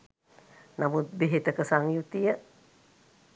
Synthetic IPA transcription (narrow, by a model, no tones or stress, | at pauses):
namut̪̚beɦet̪əkəsaŋjut̪ijaʔ